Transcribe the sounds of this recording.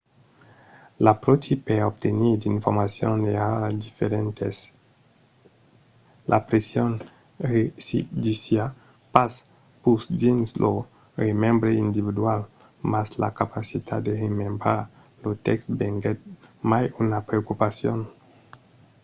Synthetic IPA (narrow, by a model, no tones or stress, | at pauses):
lapɾot͡ʃipeop̚t̪eniɾd̪iɱfoɾmasjo̰nead̪ifeɾent̪es | lʔa̰pɾesjon | resid̪isja | pas | pusd̪inslo | remembɾeind̪iβid̪wal | masla̰kapasit̪ʰad̪eremembɾaɾ | lot̪ɛksbeŋɡet̪̚majunapɾeokupasjon